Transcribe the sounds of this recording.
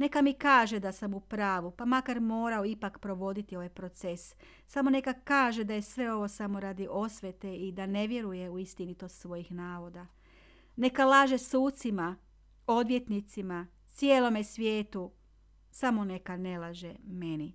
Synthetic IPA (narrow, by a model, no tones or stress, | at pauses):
ne̞kamikaːʒe̞d̪asamupɾaːʋupamakaɾmo̞ːɾao̞ipakpɾo̞ʋo̞d̪it̪io̞ʋajpɾo̞t̪se̞s | samo̞ne̞kakaːʒe̞d̪ajesʋe̞o̞ʋo̞samo̞ɾad̪iʔo̞sʋet̪e̞id̪ane̞ʋje̞ɾuje̞uist̪init̪ossʋo̞jixnaːʋo̞d̪a | ne̞kalaːʒe̞suːt̪sima | o̞d̪ʋje̞t̪nit̪sima | t̪sjeːlo̞me̞sʋje̞ːt̪u | samo̞ne̞kane̞lˠaʒeme̞ni